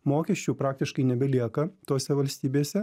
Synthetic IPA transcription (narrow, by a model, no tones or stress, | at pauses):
moːkʲɛʃʲt͡ʃʲuːpɾɑːk̚t̪ʲɪʃkɐɪnʲɛbʲɛlʲiɛkɐt̪oːsʲɛʋɐlʲsʲt̪ʲiːbʲeːsʲɛ